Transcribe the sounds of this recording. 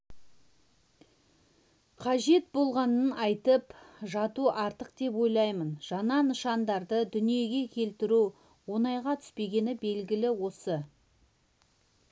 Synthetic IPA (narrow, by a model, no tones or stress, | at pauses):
qʰɑʒe̞t̪̚bo̞lˠʁɑnənɑjt̪əpʒɑt̪uʔɑɾt̪əqd̪e̞pwo̞jlˠɑjmənʒ̥ɑnɑnəʃɑnd̪ɑɾd̪əd̪ʏnije̞ɡʲe̞kʲʰe̞lt̪ɪɾu | wo̞nɑjʁɑt̪ʰʏ̥spe̞ɡʲe̞nɪbe̞lɡʲɪlɪwo̞sə